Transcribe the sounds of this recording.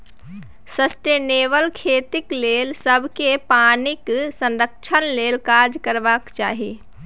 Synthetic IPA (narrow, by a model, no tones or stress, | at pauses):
səsʈeːneːbəlkʰeːt̪ikleːlsəbʱkepaːnɪksə̃nɾəkt͡ʃʰənlelkaɾd͡ʒkəɾbakt͡ʃa̰ːɦi